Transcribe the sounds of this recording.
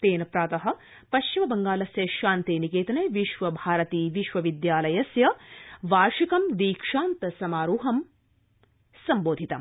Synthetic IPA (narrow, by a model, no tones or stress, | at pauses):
t̪eːnɐpɾaːt̪ɐɦɐ̆ | pɐʃt͡ʃimɐbɐŋɡaːlɐsjɐʃaːnt̪eːnikeːt̪ɐnɐjʋiʃʋɐbʱaːɾɐt̪iːʋiʃʋɐʋid̪jaːlɐjɐsjɐʋaːɾʂikɐmd̪iːkʂaːnt̪ɐsɐmaːɾuːɦɐm | sɐmboːd̪ʱit̪ɐ̰m